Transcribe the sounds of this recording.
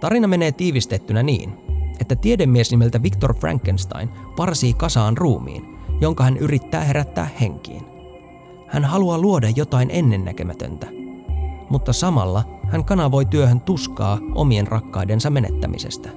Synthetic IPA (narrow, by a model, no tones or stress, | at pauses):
t̪ɑɾinɑme̞ne̞ːt̪iːʋist̪e̞t̪ːynænḭːne̞t̪ːæt̪iede̞mːiesnime̞lt̪æʋikt̪o̞rfræ̰ŋkːenst̪ɑ̰jnpɑrsiːkɑsɑːnruːmḭːnjo̞ŋkɑhænʔyɾit̪ːæ̰ːhe̞ɾæt̪ːæ̰ːhhe̞ŋkḭːn | hænɦɑluɑluo̞dɑjːo̞t̪ɑjnʔe̞nːe̞nːæ̰k̟ø̞mæt̪ø̰nt̪æ | mut̪ːɑsɑmɑ̰lːɑhæŋkɑnɑʋo̞jt̪yøhønt̪uskɑ̰ːʔo̞̰mie̞nrʔɑkːɑjde̞nsɑme̞ne̞̰t̪ːæ̰mʔḭse̞̰st̪æ̥